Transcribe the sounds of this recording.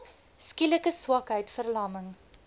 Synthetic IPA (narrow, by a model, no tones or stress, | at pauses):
skiləkəswɐkɦəjtfərlɐməŋ